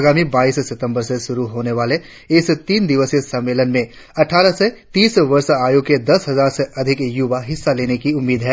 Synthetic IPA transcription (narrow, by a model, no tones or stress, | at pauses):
ɡaːmibaːissɪt̪ə̃mbəɾseʃʊɾuɦoːneʋaːle | ɪst̪iːnd̪ɪʋəsesɐ̃mːeːlənmẽ | ɐʈʰaːɾəset̪iːsʋɐɾsaːjuked̪ɐsɦɐzaːɾseʔɐd̪ʱɪkjʊʋaɦɪsːaleːnekiʊmːiːd̪ɦɛː